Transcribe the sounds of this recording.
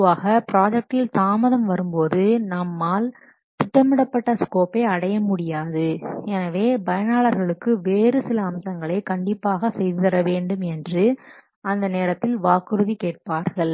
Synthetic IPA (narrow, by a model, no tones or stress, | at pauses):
ʋaːɣɐpɪɾaːd͡ʒɛk̚ʈɪlsaːmɐðɐmʋɐɾɯmpoːðɯnɐmːaːl | t̪ɪʈːɐmːɪɽɐpːɐʈːɐskoːpeɪɐɽɐjɐmʊɽɪjaːðɯɛnɐʋeːbɐjɐnaːɭɐɾɣɐɭɯkːɯʋeːrɯsɪlɐːmsɐŋɡɐɭɐɪkɐɳɖɪpːaːɣɐsɛjðɯðɪɾɐʋeːɳɖɯmɛndrɯ | ɐnd̪ɐneːɾɐt̪ːɪlʋaːkɯɾɯðikeːʈ̚paːɾɣɐɭ